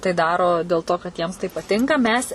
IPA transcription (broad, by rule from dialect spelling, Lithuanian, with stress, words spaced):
tɐɪ ˈdɑːroː dʲɛlˠ ˈtoː kɐt ˈjiɛms tɐɪ pɐˈtʲɪŋkɐ ˈmʲɛs